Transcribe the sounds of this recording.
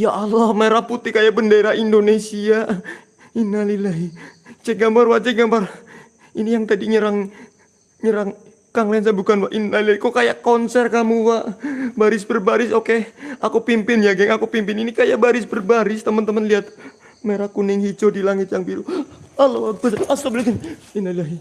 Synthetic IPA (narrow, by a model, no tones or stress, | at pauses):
jaalɔhmaeɾahput̪ihkajaʔbəndeɾaindonesia | inalilaɦit͡ʃɛɡambarwat͡ʃɛɡambar | inijaŋt̪adiɲəɾaŋ | ɲəɾaŋ | kaŋlans̬abukanwaʔinalilaikokajakonsɛrkamuwaʔbaɾɪs̬bərbaɾɪsokeakupimpɪnjaɡɛŋakupimpɪninikajabaɾɪsbərbaɾɪst̪əmənt̪əmənliat̪̚ | meɾakunɪŋhid͡ʒodilaŋɪt̪jaŋbiɾualowabasaslabəlit̪ɪninalilaɦi